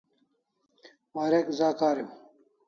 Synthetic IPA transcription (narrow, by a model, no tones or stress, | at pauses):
maːɾekzaːkaːɾi